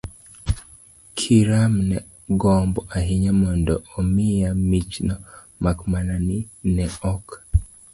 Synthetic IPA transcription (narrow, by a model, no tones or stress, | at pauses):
kʰiɾamnɛ | ɡɔmbɔʔaɦiɲamɔndɔomɪjamit͡ʃnɔ | makmananinɛɔk